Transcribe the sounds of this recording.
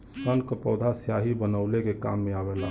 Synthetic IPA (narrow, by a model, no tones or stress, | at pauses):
ssənkəpɔʊd̪ʱasjaɦibənəʊlekeka̰mːeabɛla